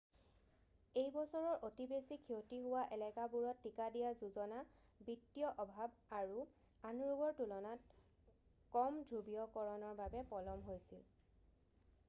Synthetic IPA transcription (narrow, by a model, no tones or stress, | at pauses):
ejbɔsɔɹɔɹʔotibesikʰiotiɦʊwaʔɛlɛkabuɹɔtːikadijazuzɔnabitːijɔʔɔbʱab̚aɹu | anuɹubɔɹtulɔnat | kɔmdʱubijɔkɔɹɔnɔɹbabɛpɔlɔmɦojsil